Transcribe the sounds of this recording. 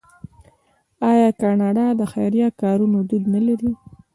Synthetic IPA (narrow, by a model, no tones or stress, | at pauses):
ɑjɑkɑnɑɖɑd̪əxa̰jɾjɑkɑɾunod̪ud̪nalaɾi